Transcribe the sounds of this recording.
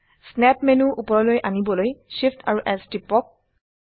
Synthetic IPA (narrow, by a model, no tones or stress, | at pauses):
snɛpmenuʔupɔɹɔlojʔanibɔlojʃiftʰaɹuʔɛstipɔk̚